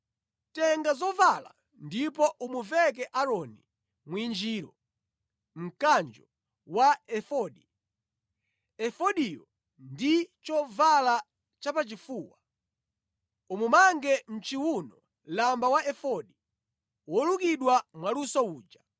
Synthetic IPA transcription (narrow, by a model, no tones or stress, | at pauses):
tɛŋɡazɔvala̰ | ndipɔʔumuvɛk̬ɛʔaɾɔni | mwind͡ʒiːɾɔ | m̩kand͡ʒɔ | waɛfɔɗi | ɛfɔɗijɔ | ndit͡ʃɔvala | t͡ʃapat͡ʃifuːwa | umumaŋɡɛm̩t͡ʃiwunɔ | lambawaɛfɔɗi | wɔlukiɗwamwalusɔuːd͡ʒa